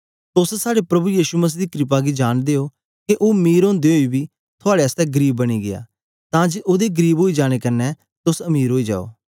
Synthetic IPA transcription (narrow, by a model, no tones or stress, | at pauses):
t̪ʊssaːɽepɾɐbujiːʃuməs̬iːd̪iːkɾɪp̬aɡid͡ʒaːñd̪eːo | keʔoːmiːɾõːnd̪eɦoːibiː | t̪ʰʊaːɽeəst̪ɛɡəɾiːbːəɽ̃iɡɪa̰ː | t̪ãːd͡ʒeʔoːd̪eɡəɾiːbɦoːid͡ʒaːɽ̃ekɐnɛ | t̪ʊsɐmiːɾɦoːid͡ʒa̰ːo̰ː